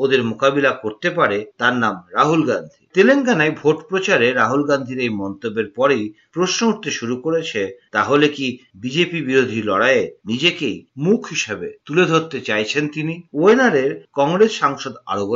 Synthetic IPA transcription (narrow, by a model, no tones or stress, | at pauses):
od̪eɾmokabilakoɾt̪epaɾet̪aɾnamɾaɦulɡand̪ʱḭt̪eleŋkanajbʱoʈpɾot͡ɕaɾeɾaɦulɡand̪ʱiɾejmɔnt̪obːeɾpɔɾejpɾoʃnouʈt̪eʃuɾukoɾet͡ɕʰet̪aɦolekibid͡ʑepibiɾod̪ʱilɔɽaenid͡ʑekejmukʰɦiʃabḛt̪uled̪ʱoɾt̪et͡ɕajt͡ɕʰent̪inioenaɾeɾkɔŋɡɾesʃaŋʃod̪a̰ɾoɡ